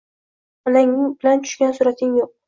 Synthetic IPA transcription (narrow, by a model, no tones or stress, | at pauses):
ɒnaŋɪŋbɪlant͡ʃ̪ʰʊ̥ʃkʲansʊɾat̪ʰɪŋjoq̚